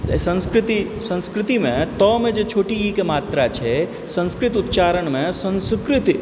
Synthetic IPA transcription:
sə̃nskɾɪt̪i | sə̃nskɾɪt̪imẽt̪ɔmẽd͡ʒet͡ʃʰoːʈiːkemaːt̪ɾat͡ʃʰe | sə̃nskɾɪt̪ʊt̪̚t͡ʃaːɾəɳmẽsə̃nskɾɪt̪

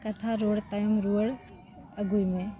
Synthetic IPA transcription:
kɐt̪ʰaɾoːɽt̪ɐjumɾuəɽ | ɐɡujmẽ

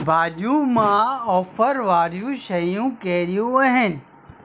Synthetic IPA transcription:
bʱaːd͡ʒumãːɔːfəɾʋaːɾjũʃɐjũkeːɾijũɐɦen

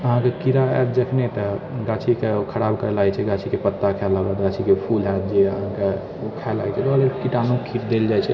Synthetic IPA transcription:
əɦãkekiɾaɛ̰td͡ʒəkʰnet̪əɡat͡ʃʰikeokʰəɾabkəɾelajt͡ʃʰɛɡat͡ʃʰikepət̪ːakʰɛlabət̪ɡat͡ʃʰikepʰulad̪d͡ʒeəɦãke | okʰaela̰ɛt͡ʃʰɛt̪oəlekiʈanũkiɾd̪eld͡ʒajt͡ʃʰɛ

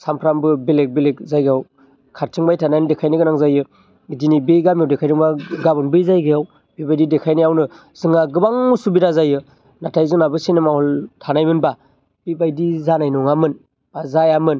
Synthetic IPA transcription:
sampʰɾambɯbelek̚bilek̚zajɡaw | kʰaɾtʰiŋbajtʰanajndekʰajnɯɡɯnaŋzajɯ | dinibeɡamjawdekʰajdɯŋbaɡabɯnbɯjzajɡejaw | b̥ibajdidekʰajnɯjawnɯ | z̥ɯŋaɡɯbaŋːusubiɾazajɯ | natʰajzunabɯsenemahɔltʰanajmɯnba | bibajdizanajnɔŋamɯn | azajamɯn

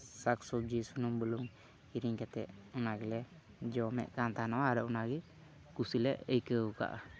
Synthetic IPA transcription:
saksub̚d͡ʒisunumbəluŋ | iɾiŋkɛt̪ɛ̰ʔɔnaɡɛlɛ | d͡ʒɔmɛ̰ʔkant̪anɔwaaɾɔʔunaɡɛ | kusilɛʔəjkəka̰ʔa̰

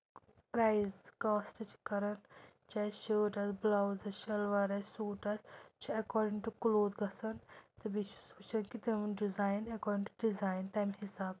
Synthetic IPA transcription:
pɾaːjzkaːsʈɐt͡ʃʰi̥kɐɾɐn | t͡ʃaːʃoːʈɐsblawzɐʃɐlʋɐɾɐssuːʈɐst͡ʃʰuɐkɔːɾɖĩŋʈukloːd̪ɡɐsɐnt̪ɐbit͡ʃʰu̥suːt͡ʃʰɐnkit̪emnɖizaːjnɐkɔːɾɖĩŋʈuɖizaːjnt̪ɐmɦisaːb

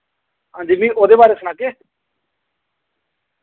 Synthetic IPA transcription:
ɦãːnd͡ʒiːmĩːʔoːd̪eːbaːɾeːsənaːkeː

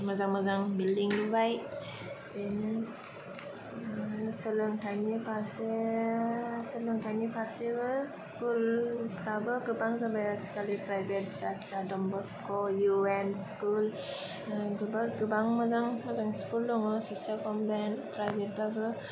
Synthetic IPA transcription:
mazaŋmazaŋbildiŋlubaj | tenɯ | sɯlɯŋtʰajnipʰaɾse | səlɯŋtʰanipʰaɾsebɯskulpʰɾabɯɡɯbaŋzabajasi̥kalipɾajbet̚zatzadɔmbɔskɔjuenskul | ɡɯbaɾɡɯbaŋmazaŋmazaŋskuldɔŋɔsɔsalkɔmbanpɾajbet̚babɯ

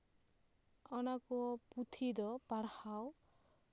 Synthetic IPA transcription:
ɔnakuɔput̪ʰid̪ɔpaɽhaw

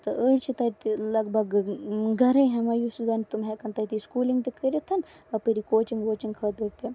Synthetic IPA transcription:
t̪ɐʔəɽt͡ʃʰit̪ɐt̪ilɐɡbʱɐɡɡʱɐɾẽɦemɐjusud͡zɐnt̪umɦekɐnt̪ɐt̪iskuːliŋɡt̪ikʰəɾʲit̪ʰɐn | ɐpəɾikoːt͡ʃiŋɡʋoːt͡ʃiŋɡkʰɐd̪ɐɾt̪i

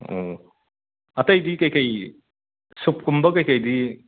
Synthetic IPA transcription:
o̰ | ɐtɐjdikɐjkɐj | sup̚kumbɐkɐjkɐjdi

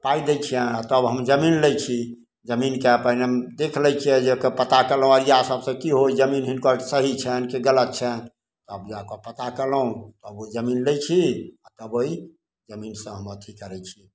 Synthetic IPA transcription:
paid̪et͡ʃʰiɛ̃at̪əbɦəmd͡ʒəminlɛt͡ʃʰi | d͡ʒəminkeəpəneəmd̪ekʰlɛt͡ʃʰijɛ̃d͡ʒekəpət̪akelɦũaɾijasəbsẽkiɦojd͡ʒəminɦinkɔsəɦit͡ʃʰɛnkeɡələt̪̚t͡ʃʰɛn | t̪ɔəbjakopət̪akeləɦũt̪ɔəboid͡ʒəminlɛt͡ʃʰiat̪əboi | d͡ʒəminsə̃ɦəmət̪ʰikəɾɛt͡ʃʰi

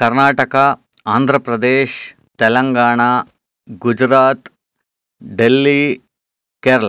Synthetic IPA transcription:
kɐɾnaːʈɐkɐ | aːnd̪ʱɾɐpɾɐd̪eːʃ | t̪ɛlɐŋɡaːɳa | ɡud͡ʒɾaːt̪ | ɖelːi | keːɾɐɭɐ

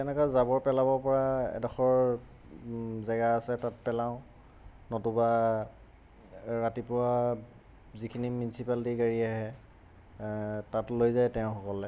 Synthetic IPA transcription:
tɛnɛkazabɔɹpɛlabɔɹpɔɹaɛ̰dɔxɔɹ | zɛɡaasɛtat̚pɛlaʊ̃ | nɔtuba | ɹatipʊa | zikʰiniminisipaltiɡaɹiaɦɛ | tatlojzajtɛʊ̃xɔkɔlɛ

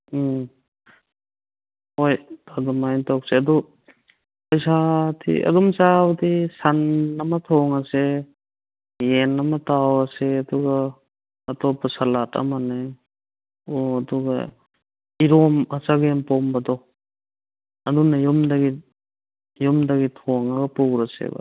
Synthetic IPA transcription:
ojadɔmajntʰak̚seɐdɔ | pɐjsatʰḭɐ̰dɔmsawdisanːɐmɐtʰɔŋɐse | jenːɐmɐtawɐseɐduɡɐː | tɔpɔsalatɐ̰mane | oɐduɡɐ̰ | iɾɔmɐt͡ʃaɡempɔmbɐdɔ | ɐdunɐjumdɐɡi | jumdɐɡitʰɔŋɐɡɐpukɾɐsḛba̰

